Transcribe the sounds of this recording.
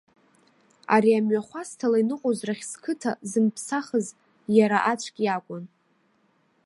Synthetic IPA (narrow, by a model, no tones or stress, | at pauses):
a̰ɾiamɥaχʷastʰalainɨqʷʼozraχʲskʰɨtʰazɨmpʰsaχəz | jaɾaʔat͡ʃʷʰʼkʲʼakʷʼʊn